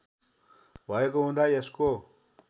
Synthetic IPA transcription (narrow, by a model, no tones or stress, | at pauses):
bʱʌekoɦũnd̪aesko